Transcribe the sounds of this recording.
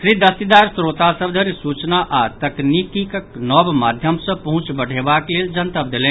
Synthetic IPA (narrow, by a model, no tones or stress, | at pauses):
kɾid̪əst̪id̪aɾsɾot̪asəbd̪ʱəɾisut͡ʃnaʔat̪əknikikeknɔbmad̪ʱjəmsə̃pəɦũt͡ʃbəɽ̤ebakleld͡ʒənt̪əp̚d̪elɛn